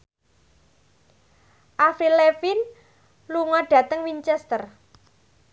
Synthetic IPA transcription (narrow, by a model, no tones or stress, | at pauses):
ʔafɾilefin | luŋɔɖ̥ä̤t̪əŋwiɲt͡ʃɛst̪ər